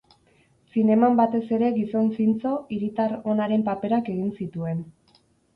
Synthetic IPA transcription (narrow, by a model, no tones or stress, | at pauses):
sine̞mambat̪e̞se̞ɾe̞ɣiso̞nsint͡so̞iɾit̪aɾo̞naɾe̞mpape̞ɾake̞ɣ̞insit̪ue̞n